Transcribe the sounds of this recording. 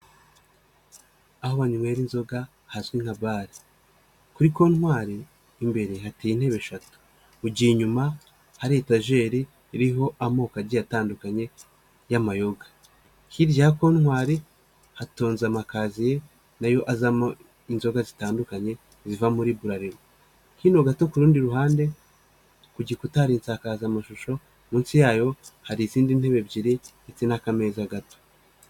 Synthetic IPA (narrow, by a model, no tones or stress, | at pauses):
ahoβaɲumweːɾinzo̞ɡa | hazwiŋ̥haβaːɾi | kuɾiko̞nhwaːɾe | imbe̞ɾehatejin̥he̞βe̞ʃatu̥ | uɟiɲuma | haɾetaʒe̞ːɾi | iɾiɦo̞ʔamo̞ːkaɟijataːndukaɲe̞ | jamajo̞ɡa | hiɾjako̞nŋwaːɾe | hatoːnzamakazije̞ | najo̞ʔazamo | inzo̞ɡazitaːndukaɲe̞ | zivamuɾiːβuɾaɾiɾo | kino̞ɡato̞kuɾuːndiɾuɦaːnde̞ | kuɟikutaɾiːnt͡sakaːzamaʃuʃo̞ | muːnsijaːjo̞haɾiziːndin̥he̞βe̞bɟiɾi | et͡senakame̞ːzaɡato̥